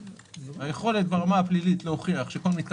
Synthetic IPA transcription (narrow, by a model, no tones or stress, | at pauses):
ajeχo̞le̞t̪̚baʁamaaplilitlohoχiaχʃeko̞lmit̪k